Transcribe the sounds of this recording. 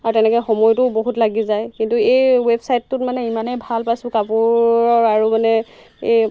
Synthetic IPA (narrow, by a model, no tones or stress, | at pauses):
aɹutɛnɛkɔjxɔmɔjtʊboɦutlaɡizajkintuejwebsajtːʊt̚manɛimanɛjbʱalpajsʊ̃kapuɹɔɹaɹumanɛ | ej